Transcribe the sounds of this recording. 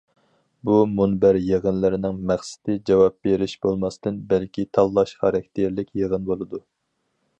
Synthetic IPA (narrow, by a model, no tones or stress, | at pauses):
bumunbæɾjeʁənlɪɾɪnɪŋmæχsɪ̥t̪ɪd͡ʒɑwɑp̚beɾɪʃbolˠmɑst̪ɨnbælkʲit̪ʰɑlˠːɑʃχɑɾɑk̚ʲt̪ʰeɾlɪkʲjeʁənbolˠɨd̪u